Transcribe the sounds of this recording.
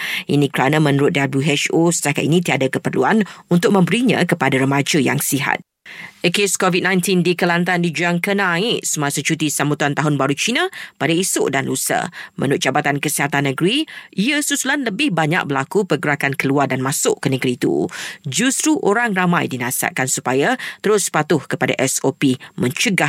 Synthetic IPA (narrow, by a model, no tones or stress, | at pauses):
ʔinĩkɾanə̃mə̃nuɾʊt̪̚dabuɦɛʃosə̥t̪aka̰t̪̚inĩt̪iadakəpərluanunt̪ʊk̚mə̃mbəɾiɲã̰kəpadaɾəmad͡ʒəja̰ŋsiɦa̰t̪̚ | əkeskɔvid̚nãjnt̪indikəlant̪andid͡ʒuaŋkənãɪʔsəmasət͡ʃut̪isambut̪uant̪aɦʊnbaɾut͡ʃinãpadaisʊ̰ʔdanlusə̰mə̰̃nʊt̚d͡ʒabat̪ankəsiɦat̪anːə̃ɡəɾiiəsusulanləbɪhbaɲa̰k̚bəlakupərɡəɾakankəluardanmãsʊʔkənəɡəɾiːt̪ṵd͡ʒust̪ɾuʔoɾaŋramãjdinasa̰ʔ̚kansupajat̪əɾʊspat̪ʊhkəpada̰ʔɛsopimə̃ɲt͡ʃəɡah